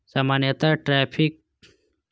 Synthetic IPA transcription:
samaːnjɐt̪aʈɾɛːpʰik̚

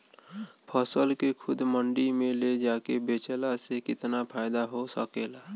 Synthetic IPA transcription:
pʰəsəlkekʰʊd̪məɳɖimẽled͡ʒaːkebeːt͡ʃəlasekɪt̪napʰaːɪd̪aɦosə̰keːlaː

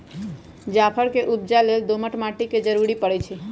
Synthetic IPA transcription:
d͡ʒapʰəɽkeʔub̚d͡ʒaleld̪oməʈmaʈiked͡ʒəɾuɾipəɽet͡ʃʰe

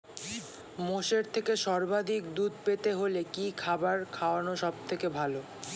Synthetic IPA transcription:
moʃeɾt̪ʰekeʃɔɾbad̪ʱik̚d̪ud̪pet̪eɦolekikʰabaɾkʰaoanoʃɔb̚t̪ʰekebʱalo

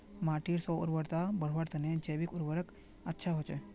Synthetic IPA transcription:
maʈiɾsɔʊ̰ɾʋəɾt̪abəɽ̤ʋəɾt̪əned͡ʒəjʋikʊɾʋəɾək | ətːʃʰaɦɔt͡ʃʰe

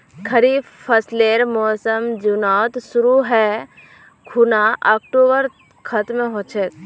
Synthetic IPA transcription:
kʰəɾiːb | pʰəsleːɾmɔːsəmd͡ʒʊnaːt̪sʊɾuɦɛ | kʰunaʔɔːk̚ʈoːbəɾ | kʰɐt̪mẽɦoːt͡ʃʰet̪

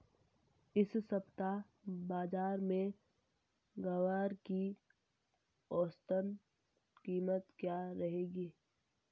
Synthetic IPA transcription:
ɪssəbt̪a | baːzaːɾmẽ | ɡəʋaːɾki | ɔːst̪ən | kiːmət̪kjaːɾɐɦeːɡiː

